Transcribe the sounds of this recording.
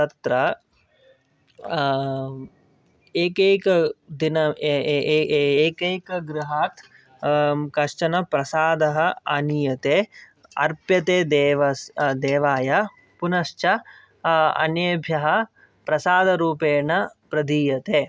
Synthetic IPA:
t̪ɐt̪ɾɐ | eːkeːkɐd̪inɐ | eːkeːkɐɡɾuɦaːt̪ | kɐʂt͡ʃɐnɐpɾɐsaːd̪ɐɦɐɐnijɐt̪eː | ɐ̰ɾpjɐt̪eːd̪eːʋɐd̪eːʋaːjɐ | punɐʃt͡ʃɐ | ɐ̰njeːbʱjɐɦɐ | pɾɐsaːd̪ɐɾuːpeːɳɐpɾɐd̪iːjɐt̪eː

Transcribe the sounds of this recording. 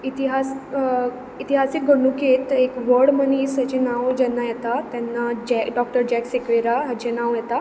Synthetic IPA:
it̪iɦas | it̪iɦasik̚ɡʱəɳuket̪ekʋəɽmənisat͡ɕenaʋd͡ʑɛnːajɛt̪at̪jɛnːad͡ʑɛɖɔk̚ʈəɾd͡ʑɛksekʋeɾaɦad͡ʑenaʋjɛt̪a

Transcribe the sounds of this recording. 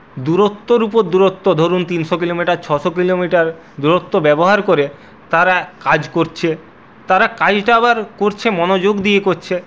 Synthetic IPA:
d̪uɾot̪ːoɾupoɾd̪uɾot̪ːod̪ʱoɾunt̪inʃokilomiʈaɾt͡ɕʰɔʃokilomiʈaɾ | d̪uɾot̪ːobɛboɦaɾkoɾe | t̪aɾakad͡ʑkoɾt͡ɕʰe | t̪aɾakad͡ʑʈaabaɾkoɾt͡ɕʰemɔnod͡ʑoɡd̪iekoɾt͡ɕʰe

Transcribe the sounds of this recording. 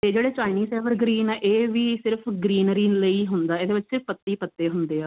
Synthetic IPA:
t̪eːd͡ʒeːɽeːt͡ʃaːɪniːseːʋəɾɡɾiːnɛːʔeːʋiːsɪɾpʰɡɾiːnɾiːnləiːɦʊnd̪aːeːd̪eːbɪt͡ʃsɪppət̪ːiːpət̪ːeːɦʊnd̪eːaː

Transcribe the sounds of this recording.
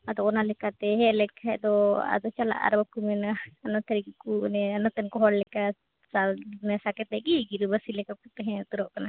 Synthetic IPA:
ad̪ɔɔnalɛkat̪ɛɦɛlɛkʰajd̪ɔa̰d̪ɔt͡ʃala̰ʔa̰ɾbakumɛnaanɔt̪ʰɛɾikikunɛanɔt̪ɛnkɔɦɔɽlɛka | sanɛsakɛt̪ɛkiɡiɾubasilɛkakut̪ɛɦɛ̃t̪uɾɔʔkana

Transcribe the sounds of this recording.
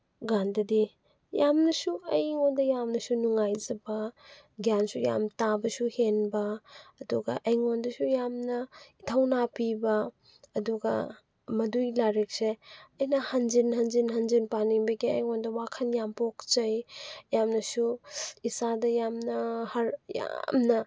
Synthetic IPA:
ɡandɐdi | jamnɐsuɐjŋondɐjamnɐsunuŋajzɐbɐ | ɡjansuja̰mtabɐsuhenbɐːduɡɐ̰ʔɐjŋondɐsujamnɐitʰɐwnapibɐː | duɡɐ̰ | mɐdujlaɾek̚seɐjnɐhɐnd͡ʒinhɐnzinɦɐnzinpanibɐɡiɐjŋondɐwakʰɐnjampok̚t͡ʃɐjjamnɐsuisadɐjamnɐhɐɾja̰mnɐ

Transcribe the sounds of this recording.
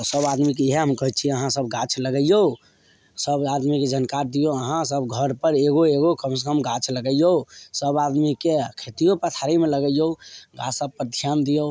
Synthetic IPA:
t̪ɔsəbad̪mikeɦeɦəmkɔɦit̪̚t͡ʃʰiəɦãsəb̚ɡat͡ʃʰləɡəjo | səbad̪miked͡ʒənkaɾd̪ijoəɦãsəbɡʱəɾpəɾeɡoeɡokəms̬əkəmɡat͡ʃʰləɡəjosəbad̪mikekʰet̪ijopət̪ʰaɾimeləɡəjjoɡa̰səb̚pəɾd̪ʱijand̪ijo

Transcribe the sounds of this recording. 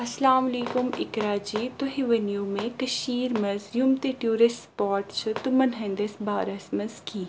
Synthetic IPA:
ɐslaːmɐliːkʊmɪkɾaːd͡ʒiːt̪oɦiʋɐnjuːmẽkɐʃiːɾmɐzjʊmt̪eʈjuːɾɪsʈspaːɾʈt͡ʃʰɨt̪ʊmɐnɦɐ̃nd̪esbaːɾɐsmɐzkiː

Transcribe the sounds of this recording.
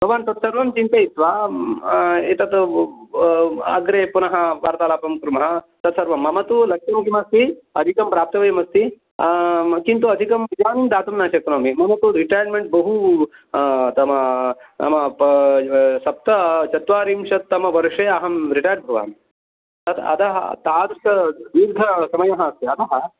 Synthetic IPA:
bʱɐʋaːnt̪ɐt̪sɐɾʋɐmt͡ʃint̪eit̪ʋaː | et̪ɐt̪ | ɐ̰ɡɾepunɐɦɐʋaːɾt̪aːlaːpɐmkɾumɐɦɐ | t̪ɐt̪sɐɾʋɐmːɐmɐt̪ulɐkʂɐmkimɐst̪iɐd̪ʱikɐmpɾaːp̚t̪ɐʋɐjmɐst̪i | kint̪uɐd̪ʱikɐmid͡ʒaːnind̪aːt̪umnaːʃɐknoːmimɐmɐt̪uɾiʈaːjɐɾmeɳʈ̚bɐɦu | t̪ɐmɐɐ̰mɐp | sɐp̚t̪ɐt͡ʃɐt̪ʋaːɾiːmʃɐt̪̚ːɐmɐʋɐɾʂeːɐɦɐmɾiʈaːjɾbʱɐʋa̰ːmi | t̪ɐt̪ʰɐ̰d̪ɐɦɐ̰t̪aːd̪sɐʋ̪iːɾd̪ʱɐsɐmɐjɐɦɐɐst̪iɐd̪ɐɦɐ

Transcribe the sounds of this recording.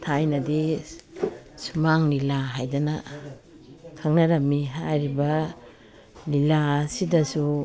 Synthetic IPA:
tʰajnɐdi | sumaŋlilaɦajdɐnɐ | kʰɐŋnɐɾɐmːiɦajɾibɐ | lilasidɐsu

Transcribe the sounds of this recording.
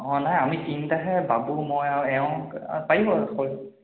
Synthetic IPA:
ɔ̃najamitintaɦɛbabumɔjaɛɔ̃paibɔakol

